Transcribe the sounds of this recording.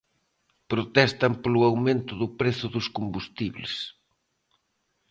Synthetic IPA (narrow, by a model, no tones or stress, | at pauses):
pɾot̪ɛst̪ɐmpolʊawmẽnt̪ʊðʊpɾeθʊðʊskombust̪iβlɪs